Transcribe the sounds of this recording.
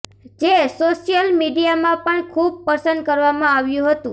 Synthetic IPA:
d͡ʒesoʃjəlmiɖijamãpəɳkʰub̚pəɾsənd̪̚kəɾʋamãaʋjũɦət̪ũ

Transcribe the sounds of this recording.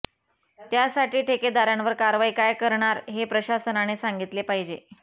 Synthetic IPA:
t̪jasaʈiːʈʰeked̪aɾjãnʋəɾkaɾʋaikajkəɾɳaɾɦepɾəɕasənañesaŋɡit̪lepaɦid͡ʑe

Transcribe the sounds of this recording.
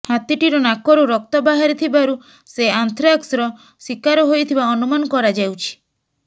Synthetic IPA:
hat̪iʈiɾɔnakɔɾuɾɔk̚t̪ɔbaɦaɾit̪ʰibaɾu | seant̪ʰɾaksɾɔ | sikaɾɔɦojt̪ʰibaɔnumanɔkɔɾad͡ʒawt͡ʃʰi̥

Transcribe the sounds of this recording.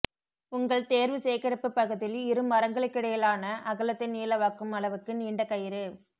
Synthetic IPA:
ʊŋɡɐɭt̪eːɾʋɯseːkɐɾɐpːɯpːɐɣɐðɪlɪɾɯmʋɐɾɐŋɡɐɭɯkːɪɽɐjɐlaːnɐʔɐɣɯlɐt̪ːɐɪniːlɐʋaːkːɯmɐlɐʋɯkːɯniːɳɖɐkɐjɪɾɯ

